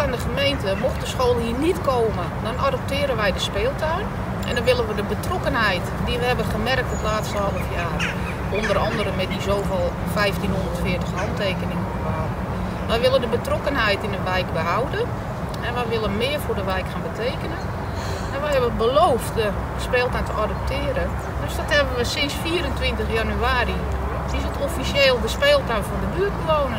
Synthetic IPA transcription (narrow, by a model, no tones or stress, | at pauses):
ɪndəχəmejntəmoxtdəsxoːlˠhɦiːnitkoːmə | dɔnʔadəp̚tɪəɾənʋɛjdəspɪːlˠtʰœɥn | ʔɛ̰ndɔnʋɪlˠənʋədəbətrɔkənɦɛjtdiʋəhɛbənχəmɛrk̚tətlaːtstəhɔlˠəfjaːr | ʔondərɔndəɾənmɛt̚dizoːfɪlˠ | fɛjftinɦondərtfɪətəχhɔntʰeːkənɪŋəobəaw | ʋɛjʋɪlˠəndəbətrokənɦɛjtɪnətʋɛjk̚bəɦawdə | ɛnʋɛjʋɪlˠənmɪərfʊːdəʋɛjkxaːnbətʰeːkənə | ɛnʋɛhɛbəəbəloːftdə | speːlˠtɛtʰəʔadəp̚tʰɪːəɾə | døsdɔthɛbənʋəsɪnsfiːəɾəntʋɪntəxjanyaːɾi | sisətofisjeːlˠdəspeːlˠtaɥfɔndəbyət̚kloːnə